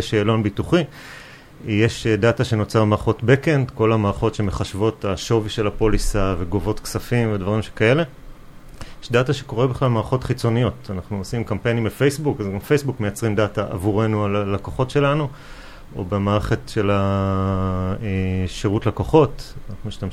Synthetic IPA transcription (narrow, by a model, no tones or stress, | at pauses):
ʃeːlo̞nbituχi | jeʃdataʃe̞not͡saʁmaːʁχo̞tbekendko̞lamaːʁχotʃe̞meχaʃvo̞taʃo̞viʃe̞lapo̞lisave̞ɡo̞vo̞tksafimvedvaʁimʃekae̞le̞ | jeʃdataʃe̞̥ko̞ʁebiχlalmaːʁχo̞tχit͡so̞nijo̞tanaχnuosimkampejnimbefejsbukazɡamfejsbukme̞jat͡sʁimdataʔa̰vuʁe̞nualalakoχo̞tʃe̞lanu | o̞̰bemaːʁeχetʃe̞la | ʃeʁutlakoχo̞tanaχnumiʃtam